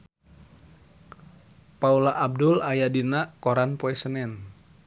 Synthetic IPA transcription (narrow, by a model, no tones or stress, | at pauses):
paulaʔːb̚dʊlajadinakoɾanpoɛsənɛn